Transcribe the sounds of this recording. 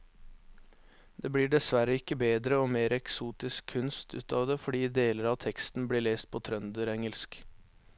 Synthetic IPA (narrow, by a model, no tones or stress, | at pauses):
d̪eːbɽiːɖɛsʋæɾəɪkːəbeːd̪ɾəoːmeːɾɛksuːt̪ɪskʰʉnst̪ʉ̰ːt̪ʰɑːʋd̪efɔɖiːd̪eːləɾɑːʋt̪ʰɛkst̪n̩bliːɭeːst̪̚pʰoːt̪ʰɾœnd̪əɾɛŋəlsk